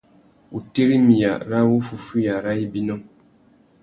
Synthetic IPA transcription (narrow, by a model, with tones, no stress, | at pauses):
u˨te˦ɾi˦mi˨ja̰˨ɾa˦wo˦fu˦fu˦ja˨ɾa˦i˦bi˦nɔ˦˨